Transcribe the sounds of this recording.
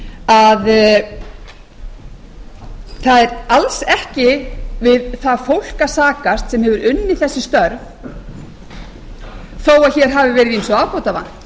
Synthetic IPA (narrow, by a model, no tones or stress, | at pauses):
að | θaðɛɾalsɛhcɪvɪðθafowl̥kasaːkast̪sɛmhɛvʏɾʏnːɪθɛsːɪst̪œɾv | θoːwaçɛɾ̥ɦaːvɪvɛːɾɪðinsɔaːwkʰɔwt̪ava̰nː